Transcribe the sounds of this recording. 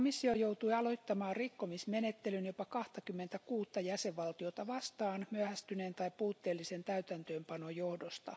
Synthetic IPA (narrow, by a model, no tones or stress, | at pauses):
misːiojout̪uiɑloit̪ːɑmɑːrrikːomismenet̪ːelynjopɑkɑht̪ɑkymːent̪ækuːt̪ːɑjæseʋʋɑlt̪iot̪ɑʋɑst̪ɑːnmyæhæst̪yneːnt̪ɑipuːt̪ːeːlːisent̪æyt̪ænt̪øːmpɑnojohdost̪ɑ̰